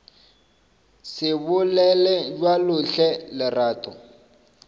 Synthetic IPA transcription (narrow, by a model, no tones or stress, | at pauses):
sɪbʊlɛlɛd͡ʒwalʊɬɛlɪraːtʼɔ